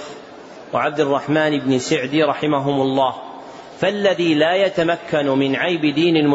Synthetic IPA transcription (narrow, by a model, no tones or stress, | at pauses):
waʕab̚d̪rˤːɑħmaːnɪbnɪsɪʕd̪iɾˤɑħɪmaɦʊmʊlˤːɑːh | falːaðiːlaːjat̪amakːanmɪnʕajbɪd̪iːnɪlmʊ